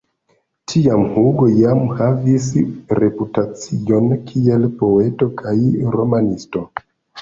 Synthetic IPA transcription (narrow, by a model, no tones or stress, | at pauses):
tʰiamhuɡojamhavisɾe̞putat͡sio̞nkʰie̞lpo̞e̞to̞kʰajɾomanisto̞